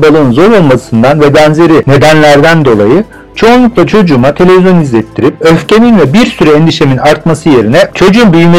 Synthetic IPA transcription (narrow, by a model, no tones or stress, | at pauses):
balˠɯnzo̞ɾo̞lˠmasɯnd̪anvɛbænze̞ɾine̞d̪ænlʲæɾd̪ænd̪o̞lˠa̰jɯ | t͡ʃʰo̞unlˠuklˠat͡ʃʰo̞d͡ʒuːmat̪ʰe̞lʲe̞vizjo̞nizlʲet̪ʰːiɾipøfce̞minvɛbiɾsyɾɛend̪iʃe̞minaɾt̪̚masɯje̞ɾinɛt͡ʃʰo̞d͡ʒumbyjyme